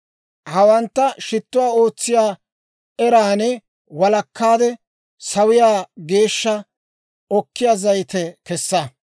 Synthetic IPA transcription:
hɐwɐnt̪ːɐʃɪt̪ːʊwaːo̞ːt͡sːɪjaː | ɛɾaːnɛ | wɐlɐkːaːd̪ɛ | sɐwɪjaːɡe̞ːʃːɐ | ʔɔkːɪjaːzɐjt̪ɛkɛsːɐ

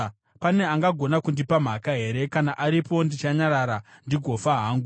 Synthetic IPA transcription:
pane̞aŋɡaɡʱo̞nakundipam̤akaɦe̞ɾe̞kanaʔaɾipo̞ndit͡ʃaɲaɾaɾandiɡʱo̞faɦaːŋɡu

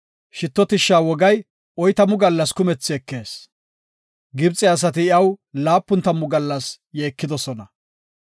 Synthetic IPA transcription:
ʃɪt̪ːɔt̪ɪʃːaːwɔɡɐj | ɔjt̪ɐmːʊɡɐlːɐskʊmɛt͡sːɪɛkːe̞ːs | ɡɪbt͡sʼɪɐs̬ɐt̪̬ɪɪɐwlaːpːʊnt̪ːɐmːʊɡɐlːɐs | jeːkːɪd̪ɔsɔnɐ

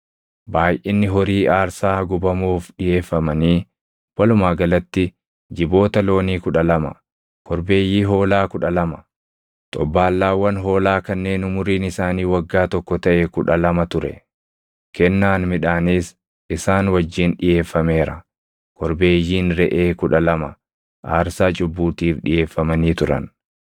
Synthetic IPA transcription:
baːjʔɪnːɪɦɔɾiːʔaːɾsaːɡʊbɐmuːfɗɪje̞ːfːɐmɐniː | wɐlʊmaːɡɐlɐt̪ːɪ | d͡ʒɪbo̞ːt̪ɐlo̞ːniːkʊᶑɐlɐmɐ̰ | kʰɔɾbe̞ːjːiːɦo̞ːlaːkʊᶑɐlɐmɐ̥ | t̪ʼɔbːaːlːaːwːɐnɦo̞ːlaːkɐnːe̞ːnʊmʊɾiːnɪsaːniːwɐɡːaːt̪ɔkːɔt̪ɐʔɛkʊᶑɐlɐmɐt̪ʊɾɛ̰ | kɛnːaːnmɪᶑaːniːs | ɪsaːnwɐd͡ʒːiːnᶑɪje̞ːfːɐme̞ːɾɐ̰ | kɔɾbe̞ːjːiːnɾɛʔeːkʊᶑɐlɐmɐ | ʔaːɾsaːt͡ʃʼʊbːuːt̪iːfᶑɪje̞ːfːɐmɐniːt̪ʊɾɐ̰n

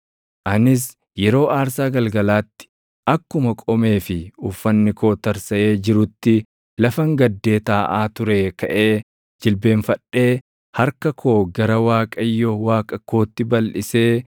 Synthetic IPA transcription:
ʔɐnɪs̬ | jɛɾo̞ːʔaːɾsaːɡɐlɡɐlaːt̪ːɪ̥ | ʔɐkːʊmɐkʼɔme̞ːfɪʊfːɐnːɪkoːt̪ɐɾsɐʔe̞ːd͡ʒɪɾʊt̪ːɪ | lɐfɐŋɡɐd̪ːe̞ːt̪aːʔaːt̪ʊɾeːkɐʔe̞ː | d͡ʒɪlbe̞ːnfɐᶑe̞ː | hɐɾkɐkʰo̞ːɡɐɾɐwaːkʼɐjːɔwaːkʼɐko̞ːt̪ːɪbɐlʔɪse̞ː

